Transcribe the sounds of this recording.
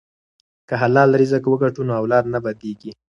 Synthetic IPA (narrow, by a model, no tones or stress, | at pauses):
kəɦalɑlaɾizakwəɡaʈunoawlɑd̪nabad̪eɡi